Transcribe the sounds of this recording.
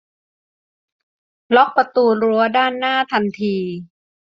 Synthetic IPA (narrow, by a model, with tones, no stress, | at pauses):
lɔ˦˥k̚pa˧t̪uː˧ɾu˧˦ɐdaː˥˩nːaː˥˩t̪ʰa˧nt̪ʰiː˧